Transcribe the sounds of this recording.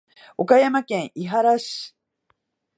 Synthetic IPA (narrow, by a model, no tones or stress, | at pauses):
o̞kajamakẽ̞ɰ̃ʔiɦaɾaɕi̥